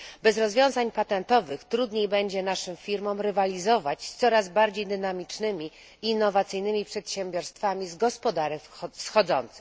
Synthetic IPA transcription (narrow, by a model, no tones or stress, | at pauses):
bɛzɾɔzvʲjɔ̃w̃zaɲpat̪ɛnt̪ɔvɘxt̪ɾud̪ɲejbɛɲd͡ʑɛnaʂɘmfʲiɾmɔmɾɛvalʲizɔvat͡ɕst̪sɔɾazbaɾd͡ʑejd̪ɘnamʲit͡ʂnɘmʲi | inːɔvat̪sɘjnɘmʲipʂɛt̪ɕɛmbʲjɔɾst̪famʲizɡɔspɔd̪aɾɘfsxɔd̪zɔ̰nt̪sɛ̥